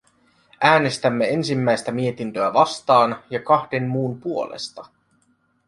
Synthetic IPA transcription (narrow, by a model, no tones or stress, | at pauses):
æːne̞st̪æmːe̞e̞nsimːæjst̪æmie̞t̪int̪øæʋɑst̪ɑːnjɑkɑhde̞nːuːmpuo̞lḛst̪ɑ